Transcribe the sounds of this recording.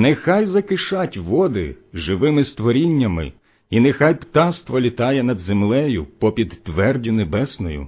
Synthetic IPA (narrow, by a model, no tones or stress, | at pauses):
nɛxɑjzɐkɪʃɑtʲʋɔd̪ɪ̰ʒɪʋɪmɪst̪ʋɔɾʲinʲːɐmɪ̰ | inɛxɑjpt̪ɑst̪ʋɔlʲit̪ɑjɛnɐd̪zemlˠɛjʊpɔpʲid̪ːʋɛrdʲʊnebɛsnɔjʊ̰